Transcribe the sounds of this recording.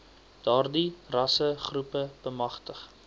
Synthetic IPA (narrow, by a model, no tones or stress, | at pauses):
d̥ɑːrdirɐsəχrupəb̥əmɐχtəχ